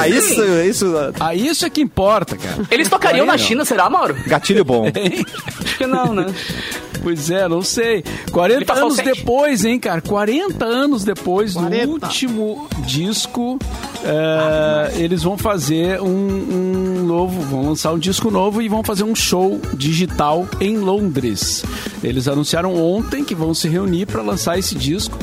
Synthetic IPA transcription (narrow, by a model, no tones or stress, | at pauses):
aisʊisʊaisʊɛkɪĩpɔɾt̪ɐka̰ɾɐelɪst̪okaɾiɐ̃w̃nɐʃĩnɐseɾamaɾʊɡat͡ʃiʎʊbõẽaʃʊ̥kɪnɐ̃w̃nɛ̃pojzɛnɐ̃w̃sejkwaɾẽnt̪ɐɐ̃nʊzd̪epojzẽj̃kaɾɐkwaɾẽnt̪ɐɐ̃nʊzd̪epojzd̪ʊuwt͡ʃt͡ʃimʊd͡ʒiskʊ | ɛ | elɪzvɐ̃w̃fazeɾũũnovʊvɐ̰̃w̃lɐ̃saɾũd͡ʒiskʊnovʊɪvɐ̃w̃fazeɾũʃowd͡ʒiʒit̪awẽj̃lõnd̪ɾɪ̰s | ḛlɪzanũsiaɾɐ̃w̃õnt̪ẽj̃kɪvɐ̃w̃sɪɦeuniɾpɾɐlɐ̃saɾesɪd͡ʒiskʊ̥